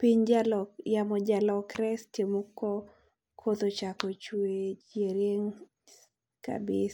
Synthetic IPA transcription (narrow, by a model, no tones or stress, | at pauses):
piɲd͡ʒalɔjamɔd͡ʒalɔkɾɛstjemukːɔ | kʰot̪ot͡ʃakɔt͡ʃwed͡ʒeɾeŋ | ka̰bɪs